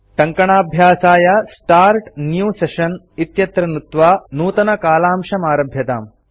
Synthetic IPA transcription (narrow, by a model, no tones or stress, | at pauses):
ʈɐŋkɐɳaːbʱjaːsaːjɐsʈaːɾʈnjuːseʃɐn | it̪jɐt̪ɾɐnut̪ʋaːnuːt̪ɐnɐkaːlaːmʃɐmaːɾɐbʱjɐt̪a̰ːm